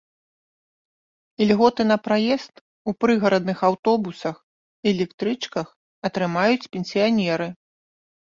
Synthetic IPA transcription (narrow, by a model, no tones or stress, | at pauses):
ilʲɣɔt̪ɨn̪ɐpɾajɛst̪ | upɾɨɣɐɾɐd̪nɨxawt̪ɔbusɐx | iɛlʲɛkt̪ɾɨt͡ʂkɐx | ɐt̪ɾɨmajut͡sʲpʲɛnʲsʲijanʲɛɾɨ